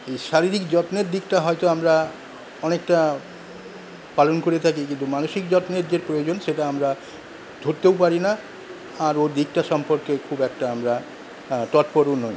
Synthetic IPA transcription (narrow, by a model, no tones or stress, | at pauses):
ejʃaɾiɾikd͡ʑɔt̪neɾd̪ikʈaɦɔjt̪oamɾa | ɔnek̚ʈa | palonkoɾet̪ʰakekint̪umanoʃikd͡ʑɔt̪neɾd͡ʑeɾpɾojod͡ʑonʃeʈaamɾa | d̪ʱoɾt̪ewpaɾina | aɾoɾd̪ik̚ʈaʃɔmpoɾkekʰubɛkʈaamɾa | t̪ɔʈpoɾonɔj